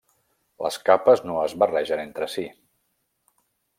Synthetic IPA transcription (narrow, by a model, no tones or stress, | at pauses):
lə̰skapəznoəzβərɛʒənent̪ɾəsi